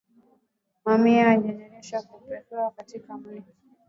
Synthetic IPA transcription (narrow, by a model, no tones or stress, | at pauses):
mamiaːɲɔɲɛɲɛʃakupɛfɛakatikamii